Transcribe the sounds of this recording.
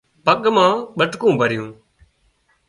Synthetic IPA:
pəɠmãːɓəʈkũːbʱəɾɪjũː

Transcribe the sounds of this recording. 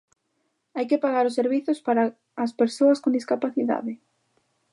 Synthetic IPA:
ajkɪpaɣaɾʊs̬ːeɾβiθʊspaɾaː | speɾsoɐskond̪iskapaθiða̰ðɪ

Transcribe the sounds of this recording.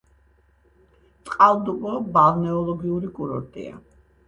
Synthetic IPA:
t̪ʼqʼalˠd̪ubʼɔbalˠnɛɔlˠɔɡiuɾikʼuɾɔ̰ɾt̪ʼḭa̰

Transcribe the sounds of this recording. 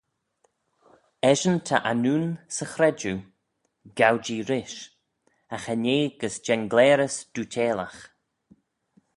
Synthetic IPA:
ɛʒənt̪ʰa̰ʔanuːnsəxɾɛd͡ʒu | ɡawd͡ʒiːɾɪʃ | axaneːɡəsd͡ʒɛnɡlɛːɾəsd̥uːtʰeːlax

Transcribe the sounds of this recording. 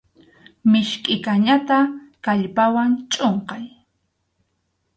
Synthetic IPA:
mɪʃkʼɪkaɲat̪akaʎpawant͡ʃʼoɴqɑj

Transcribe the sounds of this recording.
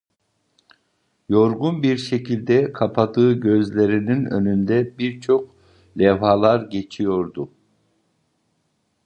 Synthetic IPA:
jo̞ɾɡunbiɾʃecʰilʲd̪ɛkʰapʰad̪ɯːɟø̞zlʲe̞ɾininø̞̰nynd̪ɛbiɾt͡ʃʰo̞k̚ | lʲɛvɦalˠaɾɟe̞t͡ʃʰijo̞ɾd̪u

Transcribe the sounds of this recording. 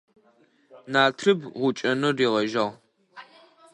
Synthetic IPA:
naːtʰrɨbʁʷʊt͡ʃʼɐnɨriːʁɐʒɐʁ

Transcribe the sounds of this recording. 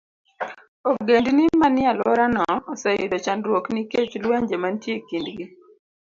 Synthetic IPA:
ɔɡendinimanɪalwɔɾanɔːsɛjɪdɔt͡ʃandɾwokniket͡ʃlwaɲd͡ʒemantjekindɡi

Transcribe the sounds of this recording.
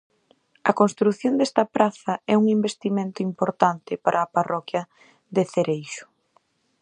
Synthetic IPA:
ɐkonst̪ɾuθjond̪ɛst̪ɐpɾaθɐɛuŋimbest̪imẽnt̪ʊimpoɾt̪ant̪ɪpaɾʔɐːparɔkjɐ | ðeθeɾejʃʊ̥

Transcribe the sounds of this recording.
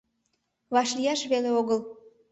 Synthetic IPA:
βɑʃlijɑʃβeleoɣəl

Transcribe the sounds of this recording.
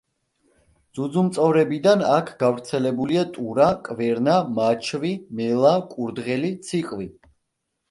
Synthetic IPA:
d̪z̥ud̪zumt̪sʼɔvɾɛbid̪anakʰɡavɾt̪sʰɛlɛbuliat̪ʼuɾakʼvɛɾnamat͡ʃʰvimɛlˠakʼuɾd̪ʁɛlit̪sʰiqʼvi

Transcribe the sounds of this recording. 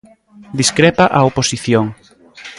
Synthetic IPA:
d̪iskɾepaʔaoposiθjoŋ

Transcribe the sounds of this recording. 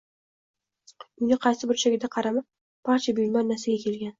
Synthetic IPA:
ʊnɪqʰɑsɪbʊɾt͡ʃʰaɡʲɪd̪aqʰɑɾama | b̥aɾt͡ʃʰabʊjlmanːasɪɡʲakʲʰe̞lɡʲan

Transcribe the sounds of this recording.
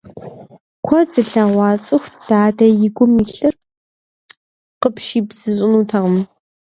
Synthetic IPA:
kʷʰɔd͡zɨɬɐʁʷɑːt͡sʼɨxd̥aːdɐjɪɡʷʊmiːɬɨr | qəpʃiːbz̥ɨɕʼɪnuːtʰɐʁəm

